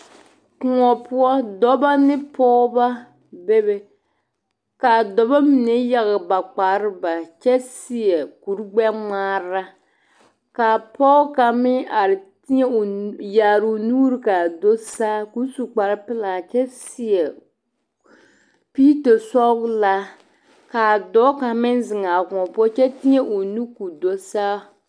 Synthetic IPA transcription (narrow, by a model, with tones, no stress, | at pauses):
kʊ˨ŋɔ˨pʊ˦ɔ˦dɔ˦ba˦nɪ˦pɔː˦ba˦ | be˦bɛ˨ | ka˨dɔ˨ba˦mi˨nɛ˦ja˨ɣɪ˨ba˨k͡pa˨ɾɪ˦ba˨t͡ʃɛ˦sɪ˦ɛ˨ku˨ɾɡ͡bɛ˦ŋ͡maː˦ɾa˦ | ka˨pɔː˦ka˨mɪ˦a˨ɾɪ˨ti˦ɲɛ˦˨ja˨ɾu˨nuː˦ɾɨ˦ka˨do˦saː˦ku˦su˨k͡pa˨ɾpɪ˦la˨t͡ʃɛ˦sɪ˦je˨ | piː˦ta˨sɔ˦ɡla˦ | ka˨dɔː˦ka˨mɪ˦n˦zɪ˨ŋa˨kɔ˨pɔ˦t͡ʃɛ˦ti˦ɲe˦ʔo˨nu˦ku˨do˦saː˦